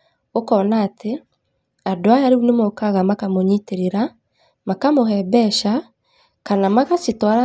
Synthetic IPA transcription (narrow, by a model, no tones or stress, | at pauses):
okɔːnaːtʰe | adoajaɾeunemɔkaɣamakamoɲiteɾeɾa | makamoɦɛbɛʃa | kanamaɣasitwaɾa